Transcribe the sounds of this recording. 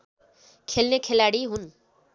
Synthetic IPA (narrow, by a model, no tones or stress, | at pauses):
kʰelnekʰelaɽiɦun